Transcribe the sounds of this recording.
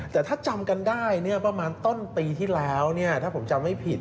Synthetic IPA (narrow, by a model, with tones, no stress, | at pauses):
t̪ɛː˨˩t̪ʰaː˥˩t͡ɕa˧mka˧ndaː˥˩jnɯ˥˩ɐpa˧maː˧nt̪o˥˩npiː˧t̪ʰiː˥˩lɛː˦˥wni˥˩ɐt̪ʰaː˥˩pʰo˩˦mt͡ɕa˧mha˥˩jpʰi˨˩t̪̚